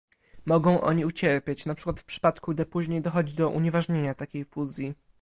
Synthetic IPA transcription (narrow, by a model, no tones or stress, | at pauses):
mɔɡɔ̃w̃ʔɔ̰ɲiut͡ɕɛɾpʲat͡ɕnapʂɘkwat̪fpʂɘ̥pat̪kuɡd̪ɛpuʑɲejd̪ɔxɔd͡ʑid̪ɔʔṵɲɛvaʐɲeɲat̪akʲejfuzʲji